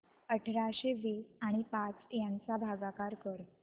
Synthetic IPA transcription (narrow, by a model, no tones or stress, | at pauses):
əʈʰɾaɕeʋiaɽ̃ipat͡sjãnt͡sabʱaɡakaɾkəɾ